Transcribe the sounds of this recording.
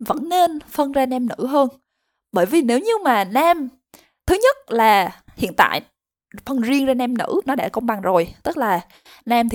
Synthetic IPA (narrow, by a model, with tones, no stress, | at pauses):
və̰˧˥nːe˧nfə˧nzaː˧nɛ˧mnɨ̰˧˥ɦəː˧n | ɓəː˧˩jvi˨˩ne˨˦wɲɨ˧maː˨˩naː˧m | t̪ʰɨ˨˦ɲə˦˥t̚laː˨˩hḭ˧˨ənt̪a̰ː˧˨j | fə˧nzi˧əŋzaː˧nɛ˧mnɨ̰˧˥nɔ˨˦ɗa̰ː˧˩kə˧wŋ͡mɓa˨˩ŋzo˨˩jt̪ɨ˦˥k̚laː˨˩ | na˧mt̪ʰ